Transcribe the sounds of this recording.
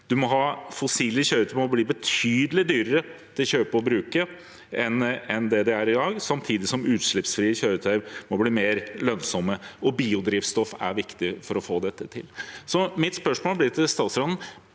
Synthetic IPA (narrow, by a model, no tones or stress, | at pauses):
d̪̥ʉmɔɦɑːfɔsiːləçøːɾʉːt̪ʰəmɔbliːbət̪ʰyːd̪əlɪd̪yːɾəɾət̪ʰɪlɕøːpəɔbɾʉːkə | ʔɛnɛnd̪ɛd̪ɛæɾɪd̪ɑːɡsɑmt̪ʰiːd̪ɪsɔmʉːt̪ʂɭɪpsfɾiːəçøːɾʉt̪ʰæɾmɔbliːmeːɾlœnsɔmːəɔbiːʊd̪ɾiːfst̪ɔfæ̰ɾʋɪkt̪ɪfɔɾɔfoːd̪ɛt̪ːət̪ʰɪ̰lsɔmɪt̪spœʂmoːlblɪt̪ʰɪst̪ɑːt̪sɾɑnn